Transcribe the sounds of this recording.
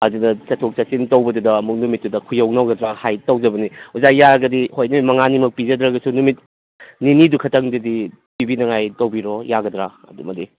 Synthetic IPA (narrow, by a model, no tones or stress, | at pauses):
ɐdudɐt͡ʃɐtʰok̚t͡ʃɐsintɐwbɐdudɐːmuk̚numit̚ːudɐkʰujɐwnɐwɡɐdɾahajtɐwd͡ʒɐbɐniuzakjaɾɐɡɐdihojnumitmɐŋanimɐk̚pid͡ʒɐdɾɐɡɐsunumit̚ | ninidukʰɐtɐŋdɐdi | pibinɐŋajtɐwbiɾojaɡɐdɾaɐ̰dumɐdi